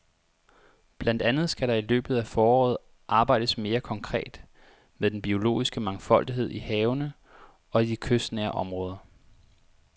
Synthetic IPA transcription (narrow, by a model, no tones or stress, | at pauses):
b̥lænd̥ænð̞̩ˠsɡ̥æɾɑ̈ilø̰ːb̥ð̩ˠæfɒːɒ̰ːð̩ˠ | ʔɑ̈ːb̥ɑ̈ɪd̥əsme̝ːɐkʰɒ̽ŋkʰʁɛ̰ːd̥ | meðˠd̥enb̥io̝lo̝̰ːisɡ̥əmɑ̈ŋfɒ̽l̰d̥iɦe̝ð̞̰ˠihɛːʊnə | ɒ̽dikʰøsd̥næːɐʔɒ̽mʁɔ̽ːð̞ˠɐ